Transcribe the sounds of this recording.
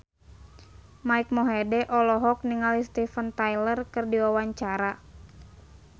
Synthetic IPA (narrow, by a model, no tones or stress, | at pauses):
maik̚mɔɦɛdɛʔɔlɔɦɔk̚niŋalist̪ifənt̪ajlərkɨrdiwawaɲt͡ʃaɾa